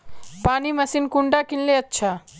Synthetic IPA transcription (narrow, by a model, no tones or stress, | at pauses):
paːnimɐsinkuɳɖakinleɐtːʃʰa